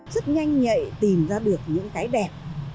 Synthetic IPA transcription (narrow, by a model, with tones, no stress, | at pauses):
zə˦˥t̚ɲa˧jŋ̟ɲə̰˧˨jt̪i˨˩mzaː˧ɗɨ˨˩ək̚ɲɨ̰˧˥ŋkaː˨˦jɗɛ˨˩p̚